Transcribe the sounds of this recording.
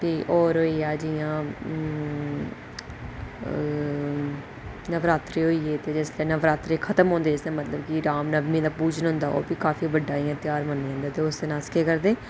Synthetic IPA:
t̪eːʔɔːɾɦoːiːaːd͡ʒijãː | nəʋɾaːt̪ɾeːɦoːiːeːt̪eːd͡ʒɪslɛːnəʋɾaːt̪ɾeːkʰət̪əmɦõːnd̪eɪsẽːmət̪ləbkɪɾaːmnəbmĩːd̪aːpuːd͡ʒənɦʊ̃nd̪aːo̰ːpikaːfʰiːbəɖːaːiːãːt̪ɪjaːɾmənːeãːnd̪aːt̪eːʊst̪eːnaːskeːkəɾd̪eː

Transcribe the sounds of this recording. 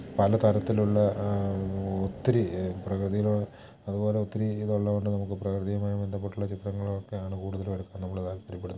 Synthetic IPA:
pɐlɐt̪ɐɾɐt̪ːiluɭːɐ | ot̪ːiɾiprɐkrɨðijilo | ɐðubo̞ːle̞ot̪ːiɾiːðoɭːɐʋoɳɖɨnɐmukːɨprɐkrɨðijɐmaːjume̞nd̪ɐp̬ːe̞ʈːuɭːɐt͡ɕit̪rɐŋːɐɭokːe̞jaːɳɨkuːɽuðɐlʋɐɾukːaːnnɐmːɐɭɐðaːlpɐɾiɐpːeɽunː

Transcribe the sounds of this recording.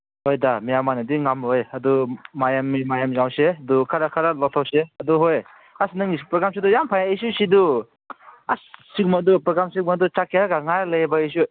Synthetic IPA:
hojdamijamanadiŋamojɐdumajamimajamzawsedukʰaɾakʰaɾalɔtʰawseɐduɦoj | asnɯŋipɾɔɡɾamsidujampʰajaisusidu | assik̚madupɾɔɡɾamsik̚madut͡ʃakʰiaɡaŋaɾlajbais̬u

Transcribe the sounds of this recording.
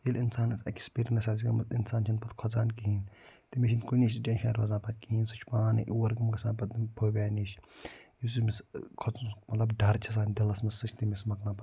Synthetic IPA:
jilʲinsaːnɐt͡sɐ̰kʲspiɾʲnɐsɐs̬ikɐmɐinsaːnt͡ʃʰɐnpɐt̪kʰɔzaːnkiɦiːn | t̪imiʃinkuniːʃd͡ʒẽːnʲʃa̰ːɾɐzaːpɐt̪̚kiiːnsɨt͡ʃʰpaːnɨ̰ʔiwɐɾɡɐmɡɐsãːnpɐt̪pʰoːbʲaːniʃjis̬imiskʰɔt͡smɐt̪lɐbɖɐɾt͡ʃʰɐs̬aːnd̪ilɐsmɐsːɨt͡ʃʰt̪imismɐklãːpɐ

